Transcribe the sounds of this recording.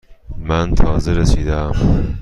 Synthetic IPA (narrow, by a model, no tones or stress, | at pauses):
mænt̪ʰɒːzeɾesiːd̪ææm